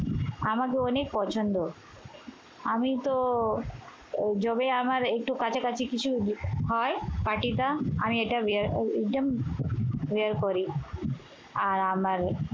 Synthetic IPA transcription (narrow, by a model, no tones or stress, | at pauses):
amakeɔnek̚pɔt͡ɕʰond̪o | amit̪o | d͡ʑɔbeamaɾek̚ʈukat͡ɕʰakat͡ɕʰikit͡ɕʰuɦɔepaʈit̪aamieʈabeɾek̚ʈom | ʋeəɾkoɾi | aɾamaɾ